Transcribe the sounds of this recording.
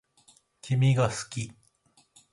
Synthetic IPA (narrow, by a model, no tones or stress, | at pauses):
kʲʰimʲiɡasɨ̥kʲi